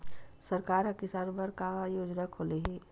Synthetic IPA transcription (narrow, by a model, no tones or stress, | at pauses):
səɾkaːɾakɪsaːnbəɾkajoːd͡ʒnakʰoːleɦɛː